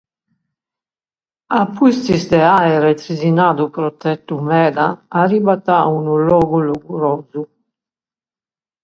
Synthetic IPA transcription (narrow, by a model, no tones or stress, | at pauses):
apust̪izd̪eaeɾet̪ɾizinad̪upɾot̪ɛt̪ːumɛd̪aaɾibat̪aunulɔɡuluɡuɾozu